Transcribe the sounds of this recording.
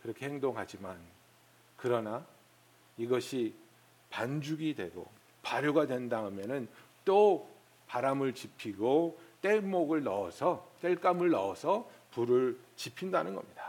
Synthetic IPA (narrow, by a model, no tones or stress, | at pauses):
kɯɾʌkʰe̞heŋdoŋɦad͡ʑiman | kɯɾʌna | iɡʌɕʰi | pand͡ʑuɡidwe̞ɡo̰ | paɾjoɡadwe̞ndaɯmjʌnɯnt͈o | paɾamɯɭt͡ɕipʰiɡot͈e̞ɭmoɡɯɭnʌʌsʰʌt͈eɭk͈amɯɭnʌʌsʰʌpuɾɯɭt͡ɕipʰindanɯnɡʌ̰mɲidḁ